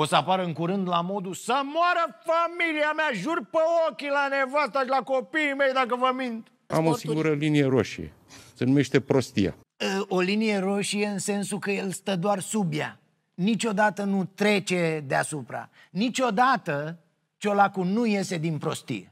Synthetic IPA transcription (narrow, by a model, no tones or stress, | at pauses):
o̞səapaɾɨŋkuɾɨnd̪lamo̞d̪usəmoaɾəfamiliameaʒurpəokʲilane̞vast̪aʃlakopiime̞jd̪akəvəmint̪ | a̰mosiŋŋɡuɾəlinije̞ɾoʃḭjḛ | senume̞ʃt̪e̞pɾo̞st̪ḭja̰ | əo̞linije̞ɾo̞ʃije̞ɨnse̞nsukəje̞lst̪əd̪oarsubja̰ | nit͡ʃo̞d̪at̪ənut̪ɾe̞t͡ʃe̞d̪ea̰supɾa̰ | nit͡ʃʲo̞d̪at̪ə | t͡ʃo̞lakunuje̞se̞d̪inpɾo̞st̪ḭjḛ